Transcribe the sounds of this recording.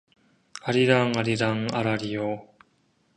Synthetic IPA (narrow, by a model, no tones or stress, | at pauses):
aɾiɾaŋaɾiɾaŋa̰ɾaɾijo